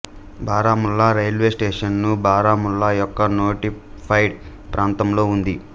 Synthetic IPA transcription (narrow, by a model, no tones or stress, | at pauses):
baːɾaːmulːaɾɐjlʋe̞ːsʈeːʂɐnnubaːɾaːmuɭːajɔkːɐnoːʈi | pʰɐjɖ | pɾʔaːnt̪ɐmlo̞ːund̪i